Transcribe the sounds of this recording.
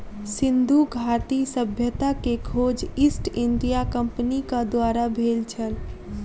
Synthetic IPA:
sɪ̃nd̪ʱuɡʱaːt̪isəbʱjət̪akekʰoːd͡ʒɪsʈɪ̃nɖijakə̃mpnikad̪waːɾabʱeːlt͡ʃʰəl

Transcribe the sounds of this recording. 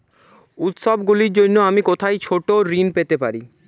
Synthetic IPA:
ut̪ʃɔbɡuliɾd͡ʑonːoamikot̪ʰajt͡ɕʰoʈoɾinpet̪epaɾi

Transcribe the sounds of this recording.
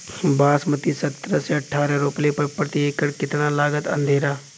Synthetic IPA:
baːsmət̪isɐt̪ɾəseɐʈʰːaːɾaɾʊplepəpɾət̪ieːkəɾkɪt̪nalaːɡət̪ɐ̰̃nd̪ʱeːɾaː

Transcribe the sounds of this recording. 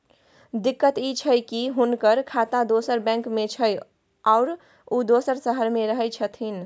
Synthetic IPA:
d̪ikːət̪it͡ʃʰəjkiɦunkəɾkʰat̪ad̪osəɾbɛ̃ŋkmet͡ʃʰəj | aʊɾ | ud̪osəɾsəɦəɾmeɾəɦəjt͡ʃʰət̪ʰin

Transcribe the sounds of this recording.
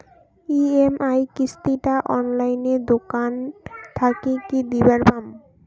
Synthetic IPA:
iemʔajkist̪iʈaʔɔnlajned̪okant̪ʰakekid̪ibaɾbam

